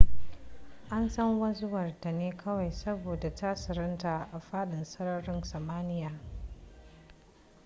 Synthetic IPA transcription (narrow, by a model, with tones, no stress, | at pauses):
ʔa˦nsɐ˦ŋwɐ˦zʊ˦wɐ˨rda˨neː˦kʰɐ˦wa˨jsɐ˦boː˨da˨taː˦sɪ˨ɾɪ˦nta˨ʔa˨ɸaː˦ɗɪ˨nsɐ˦ɾɐ˦ɽɪ˦nsɐ˨maː˦nɪ˦jaː˨